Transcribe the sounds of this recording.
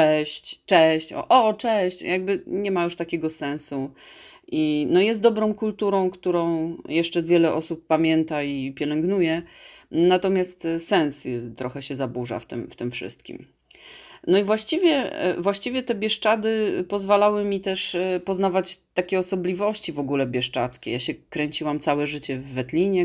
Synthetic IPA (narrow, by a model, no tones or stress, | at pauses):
ɛɕt͡ɕt͡ʂɛɕt͡ɕɔ̰ʔɔt͡ʂɛɕt͡ɕjaɡ̚bɘɲɛmajuʂt̪akʲɛɡɔsɛ̃ñsu | ʔinɔjɛst̪d̪ɔbɾɔ̃w̃kult̪uɾɔ̃w̃kt̪uɾɔ̃w̃jɛʂt͡ʂɛvʲjɛlɛʔɔsupːamʲjɛnt̪aipʲjɛlɛŋɡnujɛ | nat̪ɔmʲjast̪sɛñst̪ɾɔxɛɕɛzabuʐa̰ft̪ɘ̰mft̪ɘmfʂɘ̰st̪kʲḭm | nɔivwaɕt͡ɕivʲjɛ̰vwaɕt͡ɕivʲjɛt̪ɛbʲjɛʂt͡ʂad̪ɘpɔzvalawɘmʲit̪ɛʂpɔznavat͡ɕt̪ːakʲɛɔsɔblʲivɔɕt͡ɕivɔɡulɛbʲjɛʂt͡ʂat̪skʲɛ̰jaɕɛkɾɛɲt͡ɕiwamt̪sawɛʐɘt͡ɕɛvːɛt̪lʲiɲɛ